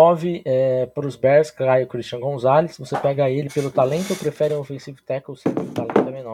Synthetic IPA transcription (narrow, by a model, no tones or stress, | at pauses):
ɔvɪɛpɾʊzbɛɾskajʊkɾist͡ʃiɐ̃ɡõzalɪsvosepɛɡɐelɪpelʊt̪alẽnt̪ʊewpɾefɛɾɪũofẽsivʊt̪ɛkwsẽt̪t̪alẽt̪ʊɛmẽnɔɾ